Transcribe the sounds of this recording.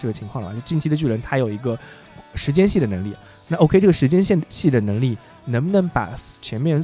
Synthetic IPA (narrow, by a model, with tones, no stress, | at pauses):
ʈ͡ʂɤ˥˩ɡə˩t͡ɕʰi˧˥ŋkʰwɑ˥˩ŋə̰˩a˧˨˥t͡ɕi˥˩nt͡ɕʰi˥ə˧t͡ɕy˥˩ɻə˧˥nt̪ʰa˥jo˨˩ʊi˧˥ɡə˧ | ʂɻ̩˧˥t͡ɕjɛ˥nɕi˥˩də˩nə˧˥ŋli˥˩ | na˥˩ʔo˥kʰe˥˧ɪʈ͡ʂɤ˥˩ə˩ʂɻ̩˧˥t͡ɕjɛ˥nɕɛ˥˩ɕi˥˩d̪ə˩nɤ˧˥ŋli˥˩ | nə˧˥bə˧nɤ˧˥ŋpa̰˨˩ | t͡ɕʰjɛ˧˥nmjɛ˥˧n